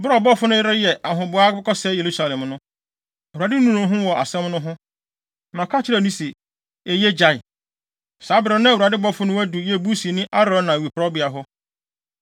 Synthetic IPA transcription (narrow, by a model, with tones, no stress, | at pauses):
bʊ˦ɾɔ˨bɔ˦fʊ˦nʊ̃˦jɪ˦ɾɪ˦jɛ˨ʔa˨ɦʊ̃˨bʊ˨˦a˦ɪ˦kʰɔ˦sɛ˦je˨ɾu˦sa˨lɛ̃˨mnʊ̃˦˨ | a˨dɪ˦nũ˦˨nʊ̃˨˦ɦʊ̃˦wɔ˨ʔa̰˨sɛ̃˦mnʊ̃˦ɦʊ̃˦ | mã˨kʰa˦t͡ɕʰɪ˦ɾɛ˨nũ˦se˨ | e˨jɛ˦d͡ʑa˨ɪ˨ | saː˨˦bɾɪ̃˨nʊ̃˦˨u˨a˨dɪ˦bɔ˦fʊ˦nʊ̃˦æ˦du˨jɛ˦˨bu˦si˨nɪ̃˦ʔa˦ɾɔ̃˦nã˨wi˨pʰɾɔ˦bɪ˨a˨ɦʊ˦